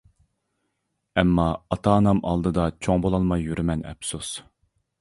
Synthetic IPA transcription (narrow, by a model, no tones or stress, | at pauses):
ɛmːɑɑt̪ʰɑːnɑmɑ̰lˠd̪ɨd̪ɑt͡ʃʰoŋbolˠɑlˠmɑjːyɾymɛnɛ̰psus